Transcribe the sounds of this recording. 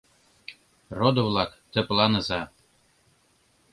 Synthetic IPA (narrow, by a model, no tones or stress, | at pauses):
rod̪ŏvlɑkt̪ə̆plˠɑnɤ̆zɑ